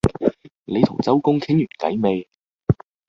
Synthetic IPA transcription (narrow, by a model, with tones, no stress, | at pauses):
le˨˧t̪ʰʊ˨˩ŋt͡sɐ˥wkʊ˥ŋt̪ʰɪ˥ŋjyː˨˩nkɐ̰˨˥jme˨˧j